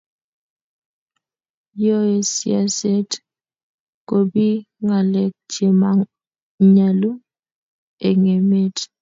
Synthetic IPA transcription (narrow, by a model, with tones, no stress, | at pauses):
jɔ˦e˨sḭ˨a̰˨se˦t | ko˨bi˦ | ŋa˨lɛ˨k̚d͡ʒe˨ma˨ | ɲa˨lu˦ | e˨ŋe˨me˦t